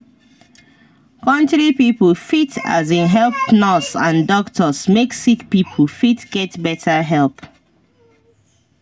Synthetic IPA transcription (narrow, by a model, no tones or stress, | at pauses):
kʌ̃ntɹipipəlfitʰa̰zĩnɦɛlˠpnɔsãndɔktʰəsmeksikpipʰəl̩fitɡ̥ɛtbɛtʰəɦɛlˠp